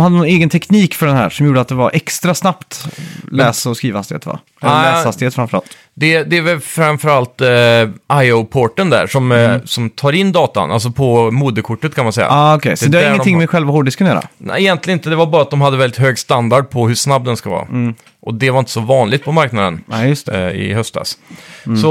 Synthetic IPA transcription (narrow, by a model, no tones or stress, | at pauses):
mhad̪ːənɔneːɡənt̪ʰɛkʰniːkfœɖɛnɦæ̰ːɾʂɔmjuːɖəat̪̚d̪ɛvaɾʔɛkst̪ɾasnapt̪lɛːsaɔskɾiːvahast̪ɪḛːt̪va̰ | ɛlɛːshast̪ɪheːt̪fɾamfœɾa̰lt̪ | d̪ɛd̪ɛːvɛlfɾamfœɾalt̪ʔaɪopʰoːʈənd̪æ̰ʂɔmsɔmt̪ʰɑːɾɪnːd̪ɑːt̪a̰nʔals̬ɔpʰɔmuːd̪əkʰʊʈːət̪kʰanmansɛjːa̰ːɔkʰɛjsɔd̪ɛaːəɖt̪ɪŋːmɛɧɛlvahɔɖɪskʰnjœːɾa̰nɛ̰ɛjɛnt̪lɪɡənɪnt̪əd̪ɛvaɾbɑːɾat̪̚d̪ɔmɦad̪ːəvɛlːɪt̪ɦøːɡst̪and̪aɖ̚pʰɔhʉʂnabːd̪ɛnskavɑ̰ː | ʔɔd̪ɛvaɾɪnt̪əsɔvɑːnlɪɡt̪pʰɔmaɾknad̪ənjɵst̪ɛɪ̰ɦœst̪d̪ɑ̰ssɔ